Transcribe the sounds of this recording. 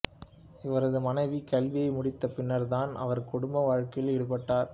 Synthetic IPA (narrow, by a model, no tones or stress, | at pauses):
ɪʋɐɾɐðɯmɐnɐɪʋikɐlʋɪjɐɪmʊɽɪt̪ːɐpɪnːɐɾt̪aːnɐ̰ʋɐɾkʊɽʊmbɐʋaːɻkɐɪlɛɽɯpɐʈːaːɾ